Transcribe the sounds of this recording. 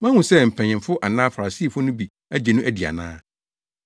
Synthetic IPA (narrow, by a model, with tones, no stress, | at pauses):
mã˦hʊ̃˨sɛ˦m̩˨pʰɛ̃˨ɲɪ̃˨mfʊ˦ʔa˨nãː˦fa˨ɾa˨si˦˨fʊ˦nʊ̃˦bi˨ | æ˦d͡ʑɛ˨nʊ̃˦ʔæ˨di˨a̰˨nã̰ː˦